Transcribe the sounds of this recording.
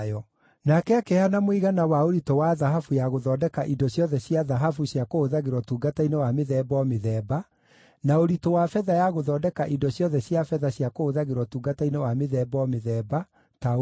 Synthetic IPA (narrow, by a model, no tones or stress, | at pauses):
ɔ | nakɛakɛhanamwiɣanawaoɾitɔwaðaɦafujaɣoðɔːdɛkaʔidɔɕjɔðɛɕjaðaɦafuɕjakoːðaɣeɾwɔtuːɡatainɛwameðɛbɔmeðɛːba | naoɾitɔwafɛðajaɣoðɔːdɛkaʔidɔɕjɔðɛɕjafɛðaɕjakoːðaɣeɾwɔtuːɡatainɛwameðɛːbɔmeðɛːba | ta